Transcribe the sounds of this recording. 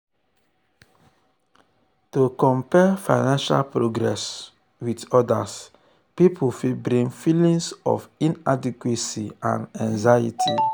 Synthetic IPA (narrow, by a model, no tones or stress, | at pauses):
tokɔ̃mpɛfa̰ɪnãnʃa̰lpɾoɡɾɛs | widɔdas | pipʰufibɾĩŋfilĩŋsɔ̰fĩnadikwesiã̰nãnzajḭtʰi